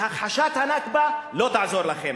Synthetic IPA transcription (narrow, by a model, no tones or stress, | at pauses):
haχaʃat̪hanakbalo̞t̪aʕzo̞ʁlaχem